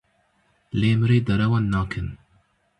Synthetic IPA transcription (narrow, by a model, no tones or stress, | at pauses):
leːmɨɾeːd̪ɐɾɛwɑːnːɑːkʰɨn